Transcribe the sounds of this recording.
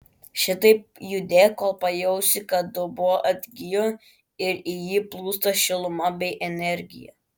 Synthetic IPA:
ʃʲɪt̪ɐɪpjʊd̪ʲeːkoːlˠpɐjɛʊsʲɪkɐd̪ʊbʊʋoʔɐd̪ʲɡʲijo | ɪɾɪjiːplˠuːst̪ɐʃʲɪlˠʊmɐbʲɛɪʔɛnʲɛɾʲɡʲɪ̰jɛ̰

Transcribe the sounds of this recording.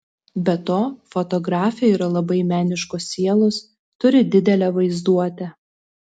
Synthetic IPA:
bʲɛt̪oːfɔt̪ɔɡɾɑːfʲjɛiːɾɐlˠɐbɐɪmʲæːnʲɪʃkʊsːʲiɛlˠos | t̪ʊɾʲɪd̪ʲɪd̪ʲɛlʲɛʋɐɪzd̪uɔt̪ʲɛ

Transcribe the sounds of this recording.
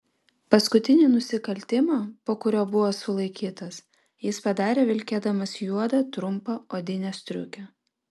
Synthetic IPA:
pɐskʊt̪ʲɪnʲiːnʊsʲɪkɐlʲt̪ʲɪmɑːpoːkʊɾʲoːbʊʋoːsʊlˠɐɪkʲiːt̪ɐs | jɪspɐd̪ɑːɾʲeːʋʲɪlʲkʲeːd̪ɐmɐsjuɔd̪ɐt̪ɾʊmpɐoːd̪ʲɪnʲɛsʲt̪ʲɾʲʊ̰kʲɛ

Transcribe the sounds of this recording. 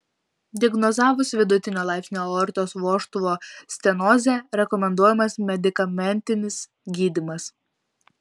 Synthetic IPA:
d̪ʲɪɡnɔzɑːʋʊsʋʲɪd̪ʊt̪ʲɪnʲoːlˠɑˑɪpʲsʲɪnʲoːɔɾʲt̪ʲoːsʋoːʃt̪ʊʋoːsʲt̪ʲɛnoːzʲɛɾʲɛkɔmʲɛnd̪uɔjɛmɐsmʲɛd̪ʲɪkɐmʲɛnʲt̪ʲɪnʲɪs | ɡʲiːd̪ʲɪmɐs

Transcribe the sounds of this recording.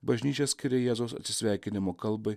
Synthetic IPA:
bɐʒʲnʲiːt͡ʃʲɛsʲkʲɪɾʲeːjɛːzoʊsɐ̰t̪sʲɪsʲʋʲæˑɪkʲɪnʲɪmoːkɐlˠbɐɪ

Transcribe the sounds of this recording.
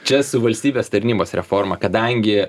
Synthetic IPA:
t͡ʃʲɛsʊʋɐlʲsʲt̪ʲiːbʲeːst̪ɐɾʲnʲiːboːsɾʲɛfoːɾmɐkɐd̪ɐŋʲɡʲɪ

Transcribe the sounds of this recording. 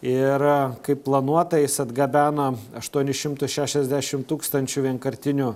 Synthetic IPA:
ɪɾkɐɪppːlˠɐnuɔt̪ɐjɪsɐd̪ɡɐbʲæːnɐɐʃt̪uɔnʲɪʃʲɪmt̪ʊʃʲæːʃʲɛzʲd̪ʲæːʃʲɪmt̪uːkst̪ɐnʲt͡ʃʲʊʋʲiɛnkɐɾʲt̪ʲɪnʲʊ

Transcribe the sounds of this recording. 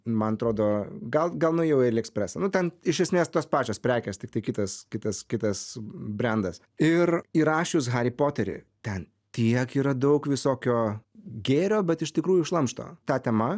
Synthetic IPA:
mɐnɐt̪ɾoːd̪oːɡɐlˠɡɐlˠnʊjɛʊɛɪɾʲɛksʲpʲɾʲæːsɐnʊt̪ʲɛnɪʃʲɛsʲmʲeːst̪oːspɑːt͡ʃʲoːspʲɾʲæːkʲɛːst̪ʲɪkt̪ɐɪkʲɪt̪ɐskʲɪt̪ɐskʲɪt̪ɐsbʲɾʲɛnd̪ɐs | ɪriɾɑːʃʲʊs̬ɣɐɾʲɪpoːt̪ʲɛɾʲɪ̰ | t̪ʲɛn | t̪ʲiɛkiːɾɐd̪ɐʊkʋʲɪsoːkʲoːɡʲeːɾʲoːbʲɛt̪ɪʃt̪ʲɪkɾuːjuɪʃlˠɐmʃt̪o̰ːt̪ɑːt̪ʲɛːmɐ

